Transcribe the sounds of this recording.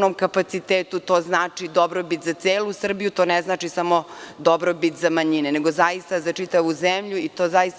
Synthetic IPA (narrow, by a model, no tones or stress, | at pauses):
nomkapat̪sit̪eːt̪ut̪o̞ːznaːt͡ʂid̪obɾobit̪zat̪seːlusr̩bijut̪o̞ːneznaːt͡ʃisamo̞d̪obɾobit̪zamaɲineneɡo̞zajist̪azat͡ʂit̪aʋuzemʎuit̪o̞ːzajist̪